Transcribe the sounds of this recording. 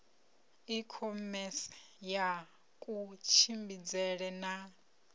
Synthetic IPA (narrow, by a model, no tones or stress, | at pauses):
ikʰɔmɛsi̥ | ja | kʼut͡ʃʰimbid͡zɛɺɛna